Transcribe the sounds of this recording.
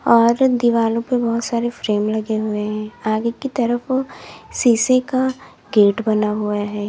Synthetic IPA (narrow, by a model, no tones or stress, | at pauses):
ɔːɾd̪iʋaːlõpebɔɦʊt̪saːɾefɾeːmlɐɡeɦʊeɦɛ̃ːaːɡekit̪ɐɾəfsiːseka | ɡeːʈbɐnaɦuaɦɛː